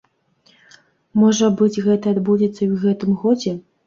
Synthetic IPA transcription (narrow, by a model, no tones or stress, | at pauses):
mɔʐɐbɨd͡zʲɣɛt̪ɐad̪bud͡zʲɛt̪sːɐiwɣɛt̪ɨmɣɔd͡zʲɛ